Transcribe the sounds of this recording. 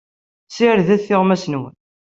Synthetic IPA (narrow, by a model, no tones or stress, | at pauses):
sɪɾðæθːɪʁmæsnwə̰n